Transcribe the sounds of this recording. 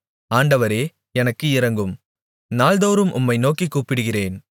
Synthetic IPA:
aːɳɖɐʋɐɾeː | ɛnɐkːɯɪɾɐŋɡɯm | naːld̪oːɾɯmʔʊ̰mːɐɪnoːkikːuːpɪɽɯɣɪreːn

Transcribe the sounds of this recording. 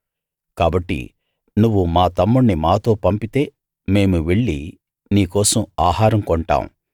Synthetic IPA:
kaːbɐʈːḭ | nuʋːumaːt̪ɐmːuɳnimaːt̪o̞ːpɐmpit̪e̞ː | me̞ːmuʋe̞ɭːi | niːkɔːsɐmaːɦaːɾɐmkɔɳʈa̰ːm̰

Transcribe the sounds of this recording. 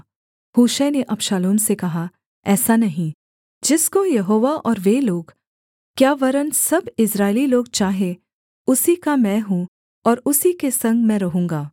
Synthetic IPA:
huːʃɛneʔɐbʃaːloːmsekɐɦa | ɛːsanɐɦĩ | d͡ʒɪskojɐɦoːʋaʔɔːɾʋeloːɡ | kjaːʋɐɾənsɐbɪsɾaːɪliloːɡ̚t͡ʃaːɦe | ʊsikamɛ̃ːɦũ | ɔːɾʊsikesɐ̃ŋɡmɛ̃ɾɐɦũːŋɡaː

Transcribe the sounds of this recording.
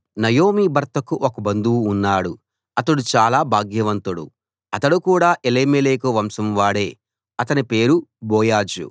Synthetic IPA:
nɐjoːmiːbɐɾt̪ɐkuʔokɐbɐnd̪uwːnːaːɽu | ɐt̪ɐɽut͡ʃaːlaːbʱaːɡjɐʋɐnt̪ɐɽṵ | ɐt̪ɐɽukuːɽaːʔeleːmeleːkɐʋɐmsɐmʋaːɽe̞ː | ɐt̪ɐnipe̞ːɾubɔːjaːd͡ʒṵ

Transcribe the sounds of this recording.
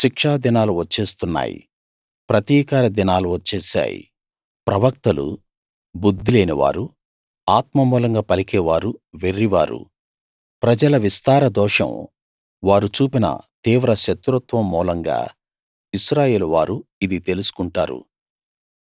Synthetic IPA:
ʃikʂaːd̪inaːluʋɐt͡ʃːeːst̪unːa̰ːjḭ | pɾɐt̪iːkaːɾɐd̪inaːluʋɐt͡ʃːeːsa̰ːjḭ | pɾɐʋɐk̚t̪ɐlṵ | bud̪ːileːniʋa̰ːɾu | aːt̪mɐmuːlɐŋɡaːpɐlikɛːʋaːɾuʋerːiʋa̰ːɾṵ | pɾɐd͡ʒɐlɐʋist̪aːɾɐd̪ɔːʂɐ̰m | ʋaːɾut͡ʃuːpinɐ̰t̪iːʋɾɐʃɐt̪ɾut̪ʋɐmːuːlɐŋɡa̰ː | iʃɾaːje̞ːluʋaːɾuid̪it̪e̞lusu̥kuɳʈa̰ːɾṵ

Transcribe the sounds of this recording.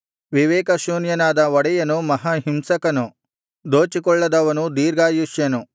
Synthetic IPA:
ʋiʋɛːkɐʃuːnjɐnaːd̪ɐʋɔɽɛjɐnumɐɦɐɦimsɐkɐnu | d̪oːt͡ʃikɔɭːɐd̪ɐʋɐnud̪iːɾɡaːjuʃjɐnu

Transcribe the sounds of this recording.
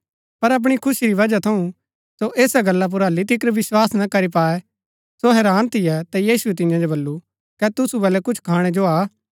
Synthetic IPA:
pɐɾɐp̬ɽ̃ikʰʊsiɾiʋɐd͡ʒat̪ʰɐũ | soʔeːsaɡɐlːap̬ʊɾaːlit̪ʰɪkɾʋɪswaːsnɐkɐɾipaːɛ | soɦɛːɾaːnt̪ʰɪjɛt̪ajiːsuɛt̪ɪ̃jãd͡ʒobɐlːu | kɛt̪ʊsubɛːlɛkʊt͡ʃʰkʰaːɽ̃ɛd͡ʒoaː

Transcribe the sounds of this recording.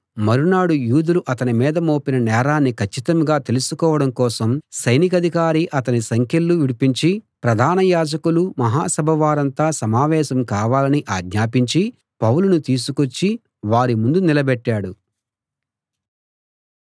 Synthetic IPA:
mɐɾunaːɽujuːd̪uluʔɐt̪ɐnimiːd̪ɐmoːpinɐnɛːɾaːnːikʰɐt͡ʃːit̪ɐmɡaːt̪e̞lusukɔːʋɐɽɐmkɔːsɐmsɐjnikɐd̪ʱikaːɾiʔɐt̪ɐnisɐŋkʰjɐlːuʋiɽipiɲt͡ʃipɾɐd̪ʱaːnɐjaːd͡ʒɐkulumɐɦaːsɐbʱɐʋaːɾɐnt̪aːsɐmaːʋɛːʃɐmkaːʋaːlɐniʔaːɡɲaːpiɲt͡ʃi | pɐwulunut̪iːs̬ukot͡ʃːi | ʋaːɾimund̪unilɐbɛʈːaːɽu

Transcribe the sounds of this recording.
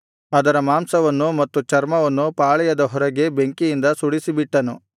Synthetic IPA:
ɐd̪ɐɾɐmaːmsɐʋɐnːumɐt̪ːut͡ʃɐɾmɐʋɐnːupaːɭɛjɐd̪ɐɦɔɾɐɡe̞beŋkijind̪ɐsuɽisibiʈːɐnṵ

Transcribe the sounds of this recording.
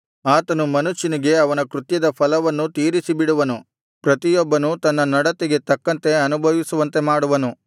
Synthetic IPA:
aːt̪ɐnumɐnuʃːiniɡe̞ɐʋɐnɐkɾut̪jɐd̪ɐpʰɐlɐʋɐnːut̪iːɾisibiɽuʋɐnu | pɾɐt̪ijɔbːɐnut̪ɐnːɐnɐɽɐt̪iɡe̞t̪ɐkːɐnt̪e̞ɐnubʱɐʋisuʋɐnt̪e̞maːɽuʋɐnu

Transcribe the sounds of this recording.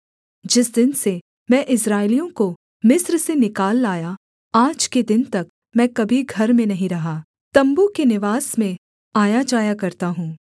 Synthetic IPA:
d͡ʒɪsd̪ɪnse | mɛ̃ʔɪs̬ɾaːɪlijõko | mɪsɾsenɪkaːlːaːja | aːd͡ʒked̪ɪnt̪ɐk | mɛ̃ːkɐbʱiɡʱɐɾmẽnɐɦĩɾɐɦaː | t̪ɐ̃mbukenɪʋaːsmẽ | aːjad͡ʒaːjakɐɾt̪aɦũː

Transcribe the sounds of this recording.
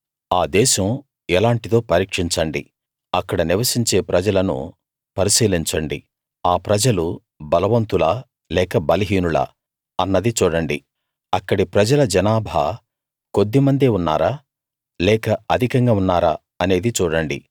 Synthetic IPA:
aːd̪ɛːʃɐm | ɛlaːɳʈit̪o̞ːpɐɾiːkʂiɲt͡ʃɐɳɖḭ | ɐkːɐɽɐniʋɐsiɲt͡ʃe̞ːpɾɐd͡ʒɐlɐnṵ | pɐɾisiːliɲt͡ʃɐɳɖḭ | aːpɾɐd͡ʒɐlu | bɐlɐʋɐnt̪ula | lɛːkɐbɐlɐɦiːnulɐ̰ | ɐnːɐd̪it͡ʃuːɽɐɳɖi | ɐkːɐɽipɾɐd͡ʒɐlɐd͡ʒɐnaːbʱa̰ː | ko̞d̪ːimɐnd̪eːunːa̰ːɾaː | lɛːkɐɐd̪ʱikɐŋɡaːunːaːɾa̰ː | ɐne̞ːd̪it͡ʃuːɽɐɳɖḭ

